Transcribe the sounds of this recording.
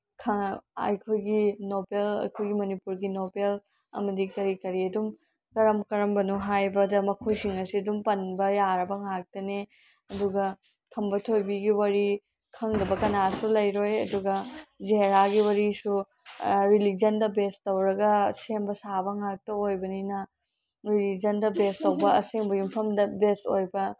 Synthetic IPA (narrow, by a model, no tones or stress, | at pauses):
kʰɐɐ̰jkʰojɡinobelɐ̰jkʰojɡimɐnipuɾɡinobel | ɐ̰mɐdikɐɾikɐɾiɐdum | kɐɾɐmkɐɾɐmbɐnuɦajbɐdɐmɐkʰojsiŋɐsiɐdumpɐnbɐjaɾɐbɐŋak̚tɐne | ɐduɡɐ | kʰɐmbɐtʰojbiɡiwɐɾi | kʰɐŋdɐbɐkɐnasulɐjɾojɐ̰duɡɐzeɾaɡiwɐɾisu | ɾilid͡ʒɐndɐbestɐwɾɐɡɐseŋbɐsabɐŋak̚tɐojbɐninɐ | ɾilid͡ʒɐndɐbestɐwbɐɐseŋbɐjumpʰɐmdɐbestojbɐ